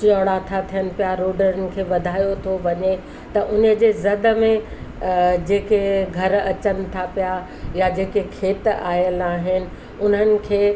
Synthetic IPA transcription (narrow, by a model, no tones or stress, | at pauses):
t͡ɕioːɽat̪ʰat̪ʰijənɪ̆pijaɾoːɖəɾənɪ̆kʰeːʋɐd̪ʱaːjot̪ʰoʋɐɲe | t̪ɐʔʊnəd͡ʑeːzɐd̪ə̆mẽ | d͡ʑeːkeɡʱɐɾɐt͡ɕənɪ̆t̪ʰapija | jad͡ʑeːkekʰeːt̪a̰ːjəlaːɦɪnɪ̆ | ʊn̤ənɪ̆kʰeː